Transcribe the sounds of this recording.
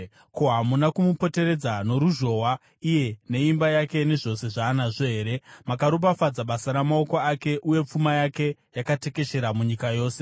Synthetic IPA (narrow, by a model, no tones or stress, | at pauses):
koɦamunakumupo̞te̞ɾe̞d͡zano̞ɾuʒo̞wa | ije̞ne̞imbajake̞ne̞ʐo̞se̞ʐaːnaʐo̞ɦe̞ːɾe̞makaɾop̬afad͡zaɓasaɾamao̞koake̞ʔuje̞p͡fumajake̞jakate̞ke̞ʃe̞ɾamuɲikajo̞ːse̞̥